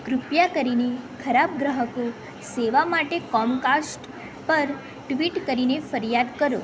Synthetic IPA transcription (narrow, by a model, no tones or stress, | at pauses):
kɾʊpjakəɾinekʰəɾab̚ɡɾəɦəko | seʋamaʈekɔmkasʈ | pəɾ | ʈʋiʈkəɾinefəɾjad̪kəɾo̰